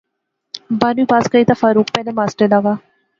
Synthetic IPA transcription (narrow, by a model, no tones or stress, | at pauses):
banubaːskəit̪afaːɾuːkpɛːlemaːsʈəlaːʋaː